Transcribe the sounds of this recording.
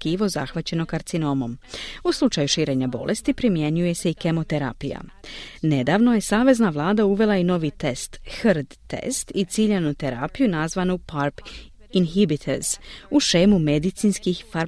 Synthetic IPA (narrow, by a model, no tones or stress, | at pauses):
kiːʋo̞za̰xʋat͡ɕe̞no̞kaɾt̪sino̞mo̞muslˠut͡ʃajuʃiːɾe̞ɲabo̞̰lʔe̞st̪ipɾimje̞ɲuje̞se̞ike̞mo̞t̪eɾa̰pija̰ne̞d̪aʋno̞je̞saːʋe̞znaʋlˠaːd̪auʋe̞lˠaino̞ʋit̪e̞st̪xɾd̪ːḛst̪it̪siʎenut̪e̞ɾaːpijunazʋanupʰaɾp | inɦibit̪ʰeɾz̥uʃe̞ːmume̞d̪it̪sinskixfaɾ